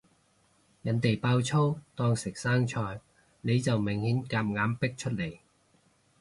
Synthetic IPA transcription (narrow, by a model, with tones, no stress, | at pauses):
jɐ˨˥nt̪e˨jpaː˧wt͡sʰo˥wt̪ɔː˥ŋsɪ˨k̚saː˥ŋt͡ʃʰɔː˧j | ne˨˧jt͡sɐ˨wmɪ˨˩ŋhiː˨˥nkaː˧˥m̚ŋaː˨˥mpɪ˥k̚t͡ʃʰɵ˥t̚le˨˩j